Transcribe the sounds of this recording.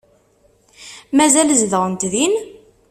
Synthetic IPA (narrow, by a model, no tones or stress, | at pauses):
mæzæləzðəʁənt̪ðin